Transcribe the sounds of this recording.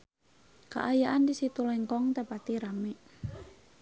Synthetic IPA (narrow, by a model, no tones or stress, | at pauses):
ka̰ʔajaʔandisit̪ulɛŋkɔŋt̪apat̪iɾamɛʔ